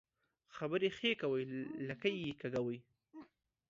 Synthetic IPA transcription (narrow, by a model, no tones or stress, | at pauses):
xabəɾexekawəjlakajikaɡawəj